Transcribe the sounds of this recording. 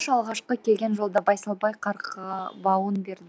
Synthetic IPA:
ʃɑlˠʁɑʃqəkʲʰe̞lɡʲe̞nʒo̞lˠd̪ɑbɑjsɑlˠbɑjqʰɑɾqəbɑwənbe̞ɾd̪ɪ

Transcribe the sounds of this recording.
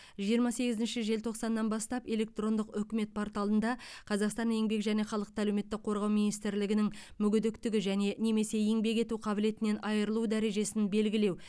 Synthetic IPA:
ʒijəɾmɑse̞ɡʲɪzɪnʃɪʒe̞lt̪ʰo̞qsɑnːɑnbɑst̪ɑpe̞le̞k̚t̪ro̞nd̪əqʏkʲɪme̞t̪̚pʰoɾt̪ɑlˠənd̪ɑqʰɑzɑqst̪ɑne̞ŋbe̞kʒæne̞χɑlˠəq̚t̪ælewme̞t̪ːɪk̚qʰːo̞ɾʁɑwmijnist̪ɪɾlɪɡʲɪnɪŋmʏɡʲʏd̪ɪkt̪ɪɡʲɪʒæne̞ne̞me̞se̞e̞ŋbe̞kʲe̞t̪uqʰɑbɪle̞t̪ɪne̞nʔɑjəɾəlˠud̪æɾe̞ʒe̞sɪnbe̞lɡʲɪle̞w

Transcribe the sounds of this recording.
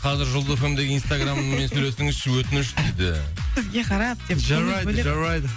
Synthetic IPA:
qʰɑzɪɾʒolˠd̪əefemd̪e̞ɡʲɪinst̪aɡrammensɵlesɪŋɪzʃɪwɵt̪ɪnɪʃt̪ejd̪ɪ̰sɪzɡʲe̞qʰɑɾɑpd̪eʒaajdbɪeʒaɑjd̪

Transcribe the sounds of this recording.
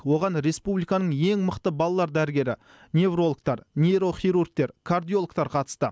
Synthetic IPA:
wo̞ʁɑnɾe̞spublˠijkɑnəɴje̞ŋməqt̪əbɑlˠɑlˠɑɾd̪æɾɪɡʲe̞ɾɪ | nʲe̞vro̞lˠək̚t̪ɑɾne̞ɾo̞χijɾurk̚t̪e̞ɾkʰard̪ijo̞lˠkt̪ɑɾqʰɑt̪ə̥st̪ə̰

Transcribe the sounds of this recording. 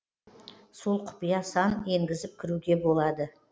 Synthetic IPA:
so̞lˠqʰʊ̥pijɑsɑne̞ŋɡʲɪzɪp̚kʲʰɪɾuɡʲe̞bo̞lˠɑd̪ə

